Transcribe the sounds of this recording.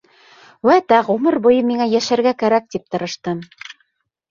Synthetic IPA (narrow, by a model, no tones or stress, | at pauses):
wæt̪æʁumɤɾbujɤmiŋæjæʃæɾɡækæɾæk̚t̪ip̚t̪ɤ̆ɾɤ̆ʃt̪ɤm